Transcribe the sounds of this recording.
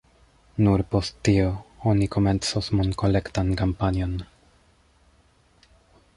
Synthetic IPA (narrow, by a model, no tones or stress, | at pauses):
nuɾpost̪ːioonikomensosmonkolekt̪ankampanjon